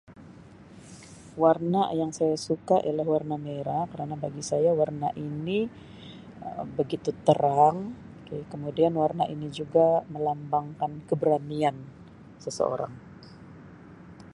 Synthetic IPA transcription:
warnajaŋsajasukaʔḭjalahwarnameɾakəɾanabaɡisajawarnaʔini | əbəɡit̪ut̪əɾaŋ | kkəmudianwarnaʔinid͡ʒuɡaməlambaŋkankəbəɾanian | səsə̰o̰ɾa̰ŋ

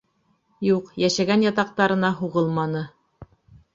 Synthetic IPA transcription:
juqjæʃæɡænjɑt̪ɑq̚t̪ɑɾɤ̆nɑɦuʁɤlˠmɑnɤ

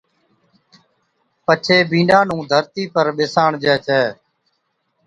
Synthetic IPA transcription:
pət͡ʃʰeːbʱĩːɳɖãːnũːd̪ʱəɾt̪iːpəɾɓɪsaːɳd͡ʒɛːt͡ʃʰɛː

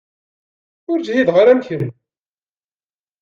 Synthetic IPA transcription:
ʊɾd͡ʒijiðʁaɾæmçənn

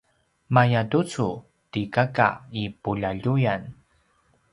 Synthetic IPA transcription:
majatut͡su | tikaka̰ipuʎaʎujan

